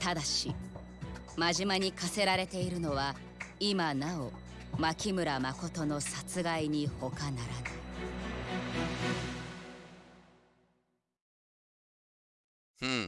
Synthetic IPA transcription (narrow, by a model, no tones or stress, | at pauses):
t̪ad̪aɕi | maʑimaɲ̟ikase̞ɾaɾe̞t̪e̞iɾɯ̟no̞βa | imanao̞ | makʲimɯ̟ɾamako̞t̪o̞no̞sat͡sɨɡaiɲ̟iho̞kanaɾana